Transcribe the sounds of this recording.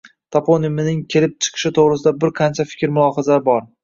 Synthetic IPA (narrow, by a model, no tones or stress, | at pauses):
t̪ʰapʰonɪmɪnɪŋkʲʰelɪp̚t͡ʃʰɨ̥qʰɨ̥ʃɪt̪ʰoʁɾɪsɪd̪abɪɾqʰɑnt͡ʃʰafɪ̥kʲɾmʊlˠɒɦazaɾɪbɒɾ